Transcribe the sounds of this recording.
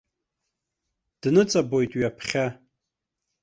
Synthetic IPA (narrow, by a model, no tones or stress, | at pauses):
d̥nɨt͡sʼabojtʼwɥiapʰχʲa